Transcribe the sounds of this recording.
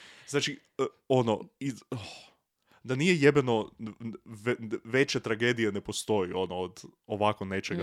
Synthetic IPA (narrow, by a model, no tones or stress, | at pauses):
znaːt͡ʃi | onoi | d̪anijejebeno | ʋʋe̞t͡ɕet̪ɾaɡed̪ijene̞po̞st̪o̞jio̞nood̪oʋako̞ne̞t͡ʃeɡa